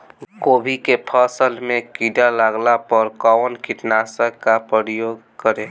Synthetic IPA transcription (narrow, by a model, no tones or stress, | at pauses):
koːbʱikepʰəsəlmẽkiɖalaɡlapəɾkɔwnkiʈnasəkːapɾəɾjoːɡ̚ | kəɾe